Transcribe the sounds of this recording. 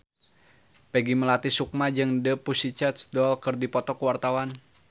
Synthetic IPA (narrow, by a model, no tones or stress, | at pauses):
pɛɡiməlat̪isuk̚mad͡ʒɨŋdəpusit͡ʃat̪sdɔlkɨrdipɔt̪ɔkəwart̪awan